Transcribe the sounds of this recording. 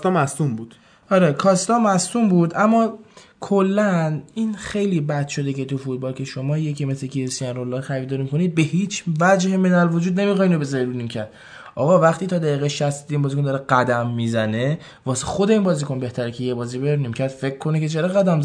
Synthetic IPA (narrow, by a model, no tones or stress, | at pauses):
t̪ɒmæsumbud̪̥ | ɒɾekʰɒst̪ɒmæst̪umbuːd̪ʔæmːɒːkʰolːæniːnxe̞jliːbæd̪ʃo̞d̪ece̞t̪ufut̪̚bɒːlcʰʲe̞ʃo̞mɒːje̞cʰimesɾecʰiesiænɾolːɒɾxæɾiːd̪ɒɾimikʰo̞niːd̪̚be̞hiːt͡ʃʰvæd͡ʒhemenælvo̞d͡ʒuːd̪ne̞mixɒːiːnobezɒɾiɾunimcʰæɾd̪̚ | ʔɒ̰ːɣɒːvæχt̪ʰiːt̪ʰɒːd̪æjiːɣeʃæst̪id̪inbɒːzikond̪ɒːɾeɡæd̪æmːizæne | vɒːsexo̞d̪eiːnbɒːzikonbeht̪æɾecʰejebɒːziːbeɾunimcʰæɾd̪̥fe̞kʰːo̞neke̞t͡ʃʰeɾeɣæd̪æmz